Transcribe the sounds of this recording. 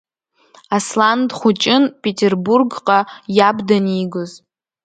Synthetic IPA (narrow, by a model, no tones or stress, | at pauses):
aslandχʷʊt͡ʃʼɪnpʼetʲʰerburɡqʼajabdaniːɡɨz